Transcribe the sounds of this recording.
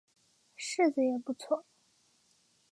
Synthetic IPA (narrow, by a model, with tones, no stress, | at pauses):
ʂɻ̩˥˩d͡z̩˨˩jɛ˨˩pu˥˧t͡sʰwɔ˥˩